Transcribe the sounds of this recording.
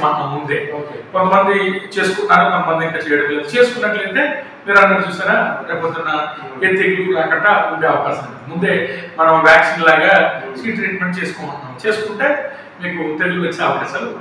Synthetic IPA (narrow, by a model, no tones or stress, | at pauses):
maːt̪ɐmund̪eːkɔnt̪ɐmɐnd̪it͡ʃe̞ːsu̥kunːaːɾukɐmɐmɐnd̪iŋkat͡ʃeːjɽɐmlɐt͡ʃe̞ːsu̥kunːɐʈlɐnt̪e̞ː | miːɾɐnd̪ɐɾt͡ʃuːsaːɾaːɾɛːpot̪ːunːɐ | et̪ːjeɡukaːkɐɳʈamund̪eɐʋɐkaːʃɐmuɖ̪mund̪e̞ːmɐnɐmʋjaːksiːnlaːɡaːsʋiːʈɾiːʈme̞ɳʈ̚t͡ʃe̞ːsu̥koːɐɳːaːmt͡ʃe̞ːsu̥kuɳʈe̞ː | miːkut̪eɽuʋɐlt͡ʃeɐʋɐkaːʃaːlu